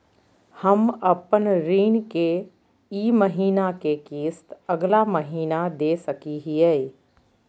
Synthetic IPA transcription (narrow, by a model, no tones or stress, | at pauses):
həmɐpənɾiːnke | iːməɦiːnakekiːst̪əɡlaməɦiːnad̪eːsəkiɦiɛː